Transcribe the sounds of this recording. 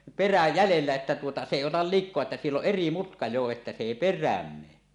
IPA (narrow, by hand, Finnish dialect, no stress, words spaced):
peræ jælelːæ etːæ tuotɑ se eˑi otɑl likˑoɑ etːæ sielː oʔ ʔeri mutkɑ jo etːæ se eˑi perˑæːm meː